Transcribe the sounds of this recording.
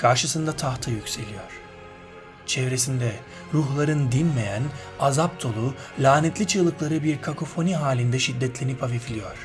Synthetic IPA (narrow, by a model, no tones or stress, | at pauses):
kʰaɾʃɯsɯnd̪at̪ʰaxt̪ʰɯjycʲse̞lʲijoɾ̥ | t͡ʃʰɛvɾe̞sind̪ɛ | ɾuɦlˠaɾɯnd̪inmejæn | azap̚t̪ʰo̞lˠulʲaːnɛt̪lʲit͡ʃʰɯlˠɯklˠaɾɯbiɾkʰakʰo̞fo̞niɦaːlʲind̪ɛʃid̪ːɛt̪lʲe̞nipʰaviflʲijoɾ̥